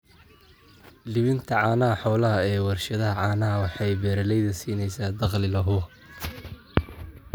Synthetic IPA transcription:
lɪβɪnt̪ʰɐʕɑːnɐɦɐħɔːlɐɦɐɛːwɑrʃɐðɐɦɐʕɑːnɐɦɐwɑħɑjbɛːɾɐlɛjðɐsiːnɛjsaːd̪ɑqlɪlɐɦʊɐ

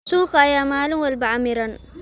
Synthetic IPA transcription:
suːqajaːmaːlumwɐlbɐʕamiɾɐn

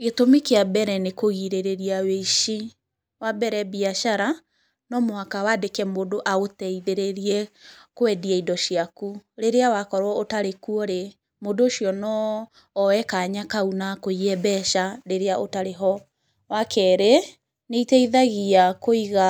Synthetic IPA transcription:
ɣetomikeabɛɾɛnekoɣiɾeɾeɾiaweiʃi | wabɛɾɛbiaʃaɾa | nɔmoakawadekɛmodoʔaotɛiðeɾeɾiɛkoɛdiɛidɔʃiakuɾeɾeawakɔɾwɔotaɾekuɔɾe | modoːʃiɔnɔː | wɛkaɲakaunakoiɛbɛʃaɾeɾeaʔotaɾeɦɔ | wakʰɛɾe | neitɛiðaɣiakoiɣa

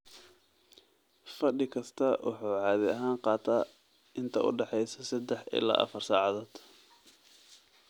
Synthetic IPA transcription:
fɐɖɪkʰɐst̪ʰɐwʔɑ̰ħuːʕɑːðɪɐɦaːnqɑːt̪ʰaː | ɪnt̪ʰɐʔʊ̰ɖɛħɛjsɐsɐd̪ɛħɪ̰la̰ːʔɐ̰fɐrsaːʕɑðɔːd̪̥

